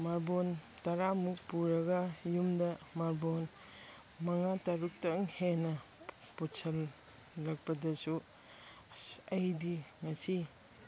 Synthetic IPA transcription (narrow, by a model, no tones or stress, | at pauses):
maɾbon | tɐɾamuk̚puɾɐɡɐjumdɐmaɾbon | mɐŋatɐɾuk̚tɐŋhenɐ | putsʰɐlː | ɐk̚pɐdɐsu | ɐjdiŋɐsi